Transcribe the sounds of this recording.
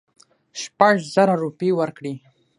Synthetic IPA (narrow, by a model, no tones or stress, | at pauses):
ʃpaʐzəɾaɾupewəɾkɽi